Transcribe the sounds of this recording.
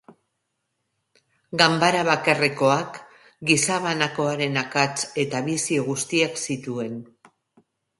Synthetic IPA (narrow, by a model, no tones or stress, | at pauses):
ɡambaɾaβakareko̞ak | ɡisaβanako̞aɾe̞nakat͡se̞t̪aβisioɣust̪iaksit̪ue̞n